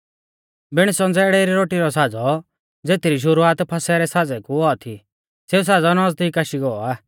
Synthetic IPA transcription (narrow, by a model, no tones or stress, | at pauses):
bɪɽ̃sɔ̃nd͡zɛɽɛɾiɾoːʈiɾɔsaːd͡zɔ | d͡zeːt̪iɾiʃ̬ʊɾuaːt̪pʰasɛɾɛsad͡zɛkuɔɔt̪ʰi | seus̬aːd͡zɔnɔd͡zd̪ikaʃiɡɔɔaː